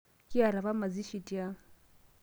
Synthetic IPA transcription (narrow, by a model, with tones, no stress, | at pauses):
kʼɪ˦a˨ɾa˨ba˦ma˨d͡zi˦ʃi˨tʼi˨a˦